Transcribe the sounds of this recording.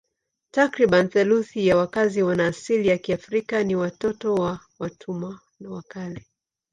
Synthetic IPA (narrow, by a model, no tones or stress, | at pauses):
takɾiɓanθɛluθijawakaziwanaːsilijakiafɾikaniwatɔtɔwa | watʰuma | nawakalɛ